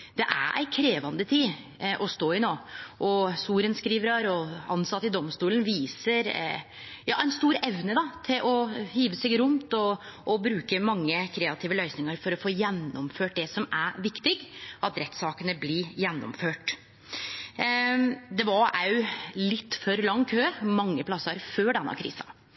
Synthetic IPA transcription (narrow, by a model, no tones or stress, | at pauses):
d̪̥ɛʔæ̰ʔæ̰ɪkʰɾeːʋɑnd̪ət̪ʰiː | ʔɔst̪oːɪnoːʔɔsuːɾənskɾiːʋəɾɑɾɔɑnsɑt̪ːəɪd̪ɔmst̪uːlənʋiːsəɾ | jɑ̰ːæɪnst̪uːɾɛʋnəd̪ɑt̪ʰɪlʔɔhiːʋəsɛɡɾʊmt̪ɔʔːbɾʉːkəmɑŋːəkʰɾeːɑt̪ʰiːʋəlœʏsnɪŋəɾfɔɾɔfoːjɛnːɔmføːʈ̚d̪ɛsɔmæʋɪkt̪ɪɡʔɑt̪ɾɛt̪sɑːkənəblɪjɛnːɔ̰mføːʈ | d̪ɛʋɑæʉlɪt̪ːfɔɾlɑŋːkʰøːmɑŋːəpʰlɑsɑɾføːɖɛnːɑ̰kʰɾḭːsɑ̥̰